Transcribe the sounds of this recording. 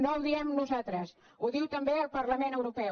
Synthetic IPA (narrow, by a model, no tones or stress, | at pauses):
nolˠd̪iɛmnuzat̪ɾəs | uðiwt̪əmbeəlˠpəɾləmenəwɾupɛ